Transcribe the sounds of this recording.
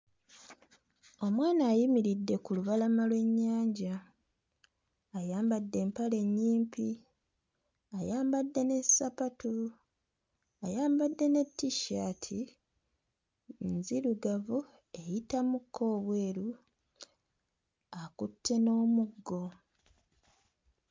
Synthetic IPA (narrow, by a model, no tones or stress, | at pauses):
o̞mwaːnaːjimiɾidːe̞kuluβalamalwe̞ɲːaːɲɟa | jaːmbadːe̞ːmpale̞ɲːiːmpʰi | ajaːmbadːe̞ne̞sapatu | ajaːmbadːe̞ne̞tːiʃaːtʰi | nziɾuɡavu | e̞jitamukʰːo̞ːβwe̞ːɾu | akutʰːe̞no̞ːmuɡːo̞